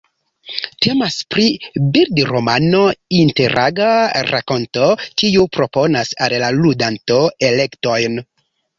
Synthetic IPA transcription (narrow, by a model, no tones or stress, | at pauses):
te̞maspɾibiɾdɾomano̞inte̞ɾʔa̰ɡaɾa̰ko̞nto̞kiupɾo̞po̞nasallaludanto̞ele̞kto̞jn